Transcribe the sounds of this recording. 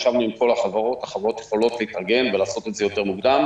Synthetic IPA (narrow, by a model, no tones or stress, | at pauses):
ʃavnuimko̞laχavaʁo̞ttaχavaʁo̞t̪jeχo̞lo̞tleitaʁɡe̞nvelaːso̞tetzejo̞te̞ʁmuɡd̪am